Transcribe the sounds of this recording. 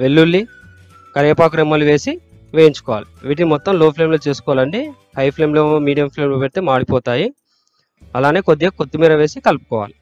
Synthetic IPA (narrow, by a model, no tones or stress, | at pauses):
ʋelːulːi | kɐɾɛːpaːk̬ɾɐmːɐluʋe̞ːsi | ʋeːjiɲt͡ʃu̥kɔːʋa̰ːliʋiːʈ̬inimɔt̪ːɐmloːpʰleːmlo̞ːt͡ʃeːsu̥kɔʋaːlɐɳɖi | hɐjpʰle̞ːmloːmiːɖijɐmpʰleːmloːpeʈit̪eːmaːɽipɔːt̪aːji | ɐlaːneːkod̪ːeːkod̪ːimiːɾɐʋeːsikɐlpu̥kɔːʋa̰ːli